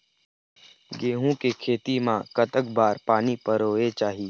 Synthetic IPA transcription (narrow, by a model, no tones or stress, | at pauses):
ɡeːɦũkekʰeːt̪imãkət̪əkbaːɾpaːnipəɾoːet͡ʃaːɦie